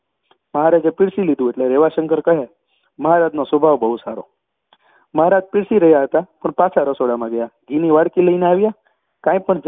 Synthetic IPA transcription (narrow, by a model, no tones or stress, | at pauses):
məɦaɾad͡ʒepɪɽsilid̪ũeʈleɾeʋaʃəŋkəɾkəɦe | məɦaɾad͡ʒnosʋəbʱaʋbəɦusa̰ɾo̰ | məɦaɾad͡ʒpɪɽsiɾəɦjaɦət̪apəɳpat͡ʃʰaɾəsoɽamãɡəjaɡiniʋaɽkiləineaʋja | kãj̃pəɳd͡ʒ